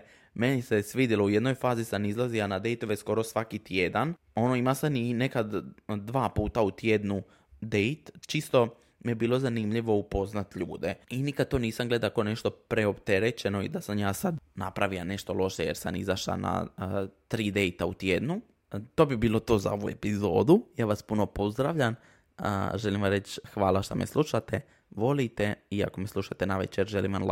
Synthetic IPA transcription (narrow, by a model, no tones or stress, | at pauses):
me̞nise̞sʋiːd̪iloujed̪no̞jfaːzisanizlˠazianad̪e̞jt̪oʋesko̞ɾo̞sʋakit̪je̞d̪an | o̞no̞imasanine̞kad̪d̪ʋaːpuːt̪aut̪jed̪nu | d̪e̞jt̪t͡ʃist̪o̞ | mijebiːlˠo̞zanimʎiʋo̞upo̞znat̪ʎṵːd̪einikad̪̚t̪o̞ːniːsamɡle̞d̪akone̞ʃt̪o̞pɾeopt̪e̞ɾet͡ɕe̞no̞ḭd̪asamjaːsad̪napɾaʋilane̞ʃt̪o̞lˠo̞ʃejeɾsanizaʃa̰na̰t̪ɾiːd̪e̞jt̪aut̪jeːd̪nu | t̪o̞ːbibiːlˠo̞t̪oːza̰o̞ʋue̞pizoːd̪ujaːʋaspuno̞po̞zd̪ɾaʋʎam | ə̰ʒe̞limʋamɾet͡ʃxʋaːlaʃt̪o̰mḛslʔuʃat̪e | ʋo̞lit̪e̞ia̰ko̞meslˠuʃat̪enaʋḛt͡ʃeɾʒelimʋaml